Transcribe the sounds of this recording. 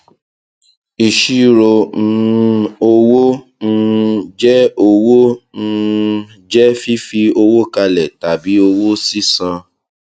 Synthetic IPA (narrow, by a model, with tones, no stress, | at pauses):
i˨ʃi˦ɾo˧n̩˧˦˧o˧wo˦ | n̩˧d͡ʒɛ˦o˧wo˦n̩˧ | d͡ʒɛ˦fi˦fi˧o˧wo˦ka˧lɛ˨ta˨bi˨˦o˧wo˦si˦sã˧